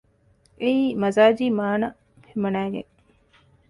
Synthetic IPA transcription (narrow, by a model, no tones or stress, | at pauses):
eiːmɐzaːd͡ʒiːmaːnɐ | fimɐnæːɡḛŋ